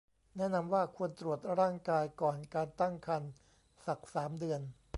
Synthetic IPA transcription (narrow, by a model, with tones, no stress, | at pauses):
nɛ˦˥˩ʔna˧mwaː˥˩kʰu˧ənt̪ɾu˨˩ət̪̚ɾaː˥˩ŋkaː˧jkɔː˨˩nkaː˧nt̪a˥˩ŋkʰa˧n | sa˨˩k̚saː˩˦mdɯ˧ən